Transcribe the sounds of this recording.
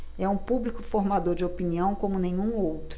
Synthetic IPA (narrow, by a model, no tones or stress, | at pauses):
ɛũpublikʊfoɾmad̪oɾd͡ʒɪopiniɐ̃w̃kõmʊnẽɲ̃ũowt̪ɾ